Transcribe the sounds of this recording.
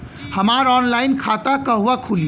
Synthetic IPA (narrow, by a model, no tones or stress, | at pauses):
həmaɾɔnlainkʰat̪akəɦuakʰuli